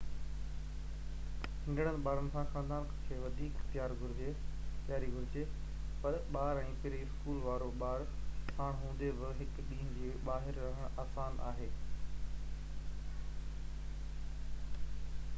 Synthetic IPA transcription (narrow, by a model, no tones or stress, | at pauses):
ɦɪ̃nɖəɽ̃ənɪ̆ɓaːɾənɪ̆sãːxaːnd̪aːnkʰkʰeːʋɐd̪ʱiːkxt̪jaːɾɡʱʊɾɪd͡ʑet̪ɪjaːɾiɡʱʊɾɪd͡ʑe | pɐɾɓaːɾɛ̃ːpɪɾiɪskuːlʋaːɾoɓaːɾpʰaːɽ̃ɦũːn̆d̪eʋɪɦɪkɗĩːɦə̃nd͡ʑeːɓaːɦɪɾːɐɦəɽ̃aːsaːnʔa̰ːɦeː